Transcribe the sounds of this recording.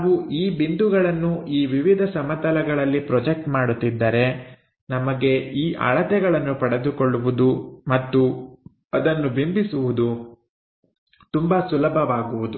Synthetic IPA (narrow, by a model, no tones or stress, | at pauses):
ʋuʔiːbind̪uɡɐɭɐnːuʔiːʋiʋid̪ʱɐsɐmɐt̪ɐlɐɡɐɭɐlːipɾɔd͡ʒek̚ʈmaːɽut̪ːid̪ːɐɾe̞ | nɐmɐɡe̞iːʔɐ̰ɭɐt̪ɛɡɐɭɐnːupɐɽed̪ukoɭːuʋud̪umɐt̪ːu | ɐd̪ɐnːubimbisuʋud̪u | t̪umbɐsulɐbʱɐʋaːɡuʋud̪u